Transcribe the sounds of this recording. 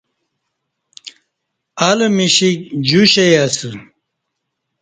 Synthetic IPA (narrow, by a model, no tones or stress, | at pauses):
alemiɕikd͡ʑuɕejasɨ